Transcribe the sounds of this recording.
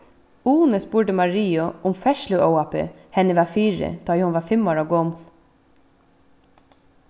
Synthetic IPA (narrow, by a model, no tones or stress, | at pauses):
uːnəspuːɖəmɑɹiːʊʔʊmfɛʃlʉʔoʊɑpə̰ | hɛnəʋɑːfiːɹə̰d̪̥ɑːjɪhʊnʋɑːfɛmoːɹɑɡoːml